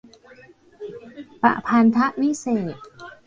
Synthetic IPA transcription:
pa̰˨˩ʔpʰa˧nt̪ʰa˦˥ʔwi˦˥seː˨˩t̪̚

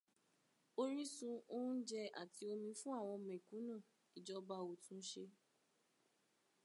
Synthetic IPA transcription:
o˧ɾi˦sũ˧o˦d͡ʒɛ˧a̰˨ti˧o˧mĩ˧fũ˦a˦˨w̃ɔ̃˧mɛ̃˨kũ˨˦nã˦˨ | i˨d͡ʒɔ˨˦ba˧o˨tũ˨˦ʃe˧

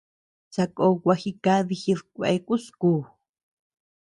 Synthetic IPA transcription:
t͡sa˧kʼo˧kʷa˧xi˧ka˦ði˧xi˧ðkʷḛ˧ku˦skuː˧

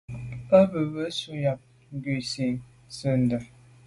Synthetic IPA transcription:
ə˦bə˨bə˦su˦ja˨p̚ | ŋ̩˦ɡi˨si˨ŋ | sə˦˨n̩˨də˨

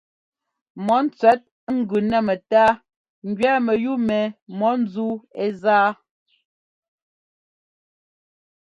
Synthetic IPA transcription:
mɔ˨˦n̩˦t͡sɥɛ˨˦t̚ŋ̩˦ɡʉ˨nɛ˦˨mɛ˨taː˦ | ŋ˨ɡɥɛː˦mɛ˨ju˦mɛ˨mɔ˨˦n˦d͡zu˦e˦zaː˦

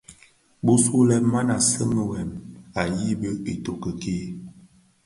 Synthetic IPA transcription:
bo˦su˦lɛ˦ma˦na˨sə˦mə˦wɛ˨ma˨ji˦bə˦e˨to˨kə˨ke˦

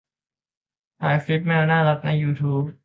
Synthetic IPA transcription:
pʰaː˩˦jfli˦˥p̚ma˥˩a˧naː˥˩la˦˥k̚na˧jːuː˧t̪ʰuː˦˥p̚

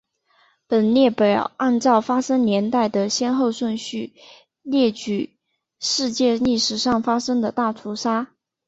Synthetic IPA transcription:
pə˨˩nljɛ˥˩pe˨˩ʔa˥˧nt͡sɑ˥˩ʊfa˥ʂɤ˥ŋnjɛ˧˥nt̪a˥˩ɪd̪ə˩ɕjɛ˥nxo˥˧ʊʂwə˥˧nɕy˥˩ | ljɛ˥˩t͡ɕy˨˩ | ʂɻ̩˥˧t͡ɕjɛ˥˧li˥˩ʂɻ̩˨˩ʂɑ˥˩ŋfa˥ʂɤ˥ŋd̪ə˨t̪a˥˩t̪ʰu˧˥ʂa˥

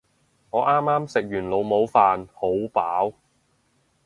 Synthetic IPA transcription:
ŋɔː˨˧ʔaː˥mːaː˥msɪ˨k̚jyː˨˩nlo˨˧wmo˨˧wfaː˨nho˨˥wpaː˨˥w

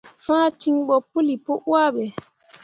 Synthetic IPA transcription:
fãː˦ti˦ŋɓɔ˨pːu˦li˨po˦ʔwa˦ɓɛ˨

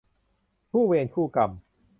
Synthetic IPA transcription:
pʰuː˥˩weː˧nkʰuː˥˩ka˧m

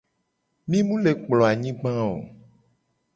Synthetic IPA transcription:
mĩ˦mũ˦le˨k͡plɔ̃˨a˨ɲĩ˦ɡ͡bã˦o̰˨

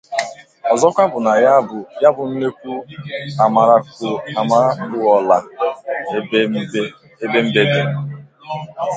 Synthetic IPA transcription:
ɔ˨zɔ˦kʷa˦bʊ˨na˨˦˨ja˦bʊ˨n̩˦ne˦kʷu˦a˨m˨ɾa˨ma˨ɾa˦ku˦ɔ˨la˨˦ | e˦be˦m̩˦be˦de˦

